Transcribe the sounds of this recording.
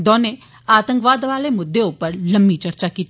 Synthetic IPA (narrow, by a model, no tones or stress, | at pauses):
d̪ɔ̃ːneː | aːt̪ə̃ŋkʋaːd̪ʋaːleːmʊd̪ːeʊpəɾləmbiːt͡ʃəɾt͡ʃaːkiːt̪